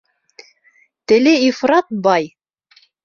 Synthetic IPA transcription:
t̪ɘ̆lɘifrɑt̪̚bɑj

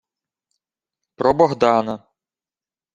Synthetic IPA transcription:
pɾɔbɔɦd̪ɑnɐ

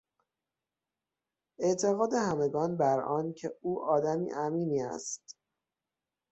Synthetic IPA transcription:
ʔe̞ʔt̪ʰe̞ɣɒːd̪e̞hæme̞ɡɒːnbæɾɒːncʰeuːʔɒːd̪æmḭːʔæmiːniːæ̰st̪

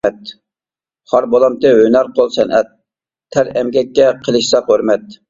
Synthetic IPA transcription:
ɛt̪ | χɑɾbɑlˠɑmt̪ɨɦønæɾqʰolˠsɛnɛt̪̚ʰː | æɾɛmɡʲɛkʲːɛqʰəlˠɨʃsɑqhøɾmɛt̪̚

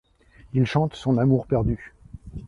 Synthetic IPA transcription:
ilʃɑ̃t̪sɔ̃namuʁpɛʁd̪y

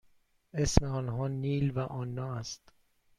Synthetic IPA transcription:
e̞smeɒːnɦɒːniːlvæʔɒːnːɒːæst̪

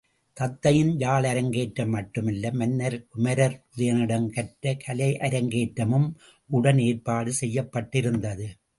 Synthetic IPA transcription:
t̪ɐt̪ːɐjɪnd͡ʒaːɭɐɾɐŋɡeːʈːɐmːɐʈːɯmɪlːɐmɐnːɐɾkʊmɐɾɐɾʊðɐjɐnɪɽɐnkɐʈːɾɐkʰɐlɐɪʔɐɾɐŋɡeːʈːɐmɯm | ʔʊɽɐneːɾpaːɽɯsɛjːɐpːɐʈːɪɾɯnd̪ɐðɯ

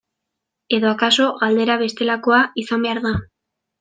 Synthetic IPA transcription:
e̞ðo̞akaso̞ɣald̪e̞ɾaβ̞e̞st̪e̞lako̞aisambe̞aɾða

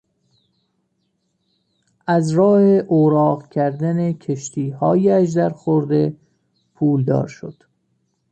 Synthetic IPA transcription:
ʔæzɾɒːheʔoːɾɒːɢcʰæɾd̪ænecʰeʃt̪ʰiːhɒːjæʃ̬d̪æɾxoɾd̪e̞ | pʰuːld̪ɒ̰ːɾʃo̰d̪̥

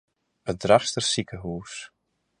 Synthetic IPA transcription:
ədraxstərsikəɦuːs

